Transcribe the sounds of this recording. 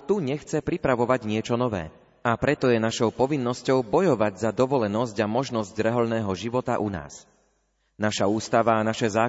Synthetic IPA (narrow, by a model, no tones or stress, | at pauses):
t̪uɲɛxt͡sɛpɾipɾaʋɔʋaɟɲɪɛt͡ʃɔnɔʋɛ̰ː | apɾɛt̪ɔjɛnaʃɔʊpɔʋinːɔscɔʊbɔjɔʋaɟzad̪ɔʋɔlɛnɔsɟamɔʒnɔzɟɾɛɦɔlnɛːɦɔʒiʋɔt̪a̰ʔuna̰ːs | naʃauːst̪aʋaːnaʃɛzaː